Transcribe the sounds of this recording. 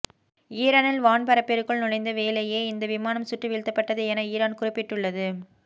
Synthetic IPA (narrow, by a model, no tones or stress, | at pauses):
iːɾaːnɪlʋaːɳpɐɾɐpːɛɾɯkːɯɭnʊɻɐɪnd̪ɐʋeːlɐjeːɪnd̪ɐʋɪmaːnɐmsʊʈːɯʋɪɻt̪ːɐpːɐʈːɐðɯɛnɐiːɾaːnkʊrɪpːɪʈːɯɭːɐðɯ